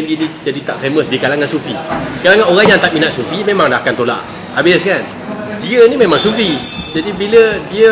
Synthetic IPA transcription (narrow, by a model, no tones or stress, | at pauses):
inid͡ʒadit̪aʔfeməsdikalaŋansufikalaŋanoɣaŋjaŋt̪aʔminaʔ̪sufimẽmaŋdahkant̪ola̰ʔ | abɪskan | diənimẽmãŋsufid͡ʒadibilədiə